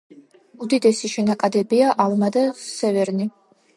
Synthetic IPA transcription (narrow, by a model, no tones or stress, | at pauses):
ud̪id̪ɛsiʃɛnakʼad̪ɛbiaʔalmad̪asɛvɛɾni